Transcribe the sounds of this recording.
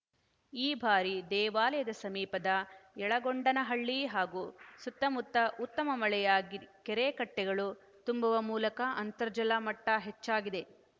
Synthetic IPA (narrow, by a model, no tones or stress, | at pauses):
iːbʱaːɾid̪ɛːʋaːlɐjɐd̪ɐsɐmiːpɐd̪ɐɛɭɐɡoɳɖɐnɐɦɐɭːiɦaːɡuːsut̪ːɐmut̪ːɐʔut̪ːɐmɐmɐɭɛjaːɡikɛɾeːkɐʈːɛɡɐɭu | t̪umbɐʋɐmuːlɐkɐʔɐnt̪ɐɾd͡ʒɐlamɐʈːɐɦet͡ʃːaːɡid̪e̞